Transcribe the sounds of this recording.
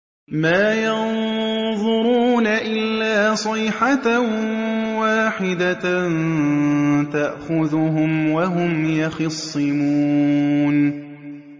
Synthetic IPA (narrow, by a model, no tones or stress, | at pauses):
maːjɑnðˤʊɾuːnaʔɪlːaːsˤɪjːħa | waːħɪd̪a | t̪aʔxʊðʊɦʊmwaɦʊmjɑxɑsˤːɨmuːn